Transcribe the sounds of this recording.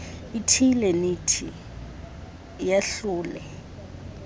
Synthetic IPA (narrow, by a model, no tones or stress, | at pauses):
itʰilɛnitʰi | jaɬʊːlɛ